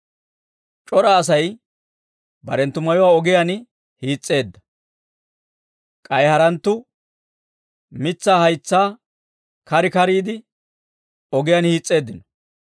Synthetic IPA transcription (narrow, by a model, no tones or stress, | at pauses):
t͡ʃʼɔɾɐːs̬ɐj | bɐ̰ɾɛnt̪ːʊmɐjɔwaːɔɡɪjan | hiːt͡sʼːe̞ːd̪ːɐ | kʼɐjhɐɾɐnt̪ːʊ | mɪt͡sːaːhɐjt͡sːaː | kɐɾɪkɐɾiːd̪ɪ | ɔɡɪjanhiːt͡sʼːe̞ːd̪ːɪnɔ̥